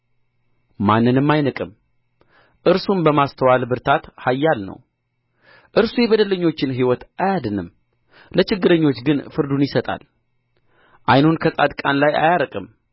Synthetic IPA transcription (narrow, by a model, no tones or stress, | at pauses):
manːɨnɨmːajnɨkʼɨm | ʔɨɾsunbəmast̪ʰəwalbɨɾt̪ʰat̪hajːalnə̰w | ʔɨɾsujɛβəd̪ələɲːo̞t͡ʃːɪnɦiwɔt̪ajad̪ɨnɨ̰m | lət͡ʃɪɡːɨɾəɲːo̞t͡ʃːɡɨnfɨɾd̪unjɪsət̪ʼa̰l | ʔajnunkʰəsʼa̰d̪kʼanlaja̰jaɾəkʼɨm